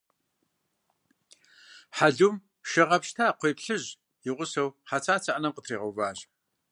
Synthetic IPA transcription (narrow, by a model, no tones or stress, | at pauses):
ħaɮum | ʃɐʁɐpʃtʰaːqʷeːpɬɨʑ | jɪʁʷʊsɐwħat͡sʰaːt͡sʰɐʔɐnɐmqətʰriːʁɐwvaːʒ